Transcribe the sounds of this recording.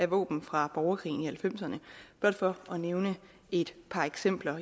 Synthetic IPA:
æʋɔ̰̽ːb̥n̩fʁɑ̈b̥ɒʊɐkʰʁḭːn̩ihælfem̰sɐnəb̥ɒɐd̥fɒ̽ɒ̽neʊnə | e̝d̥pʰɑ̈eɡ̥sem̰b̥lɐ

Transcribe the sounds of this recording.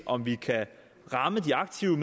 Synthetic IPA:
ʔɒ̽mʋikʰæ | ʁɑ̈məd̥iɑ̈ɡ̥̚t͡sʰiʊəm

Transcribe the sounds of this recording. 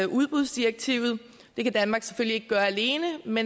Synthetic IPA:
ʔuð̞ˠb̥ʁuð̰ˠsd̥ieɡ̥̚t͡sʰḭʊ̰ð̞̩ˠ | d̥e̝kæd̥ænmɑ̈ːɡ̥se̥følie̝ɡ̥əɡ̥ɶːɐæle̝ːnəme

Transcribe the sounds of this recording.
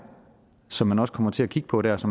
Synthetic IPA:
sɒ̽mːænɒ̽skʰɒ̽mɐt͡sʰe̝ækʰiɡ̥ə̥pʰɒ̽ɾ̥æɐsɒ̽m

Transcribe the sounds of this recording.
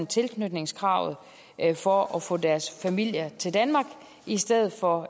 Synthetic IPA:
nt͡sʰe̝lkʰnød̥ne̝ŋskʰʁɑ̈ʊ̰ð̩ˠ | fɒ̽ɒfɔ̰̽ːd̥æɐsfæmil̰jɐt͡sʰe̝ld̥ænmɑ̈ɡ̥ | isd̥eðˠð̩ˠfɒ̽

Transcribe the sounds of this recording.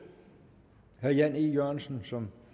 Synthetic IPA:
hæɐjænijøɐ̰nsn̩sɒ̽m

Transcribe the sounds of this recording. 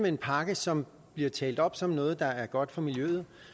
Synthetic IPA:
mee̝npʰɑ̈ɡ̥əsɒ̽m | b̥liɐt͡sʰɛ̰ːld̥ɒ̽b̥sɒ̽mnɔ̽ːð̞̩ˠd̥ɑ̈æɐɡ̥ɒ̽d̥fɒ̽miljøð̞̩ˠ

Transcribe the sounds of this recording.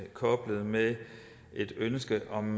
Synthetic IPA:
kʰɒ̽b̥ləð̞̩ˠme | ʔe̝d̥ønsɡ̥əʔɒ̽m

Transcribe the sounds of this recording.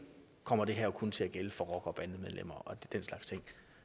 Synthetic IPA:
kʰɒ̽m̰ɐd̥e̝ɦæɐ̰kʰɔ̽nt͡sʰe̝æɡ̥eləfɒ̽ʁɒ̽ɡ̥ɐɒ̽b̥ænð̩ˠmeð̞ˠlʔem̰ɐʔɒ̽d̥enslɑ̈ɡ̥st͡sʰe̝ŋ̰

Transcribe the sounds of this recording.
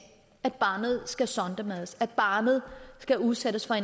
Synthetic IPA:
æd̥̚b̥ɑ̈ːnəð̞̩ˠsɡ̥æsɒnd̥æmæðˠəsæd̥̚b̥ɑ̈ːnəð̩ˠsɡ̥æuðˠsed̥əsfɒe̝

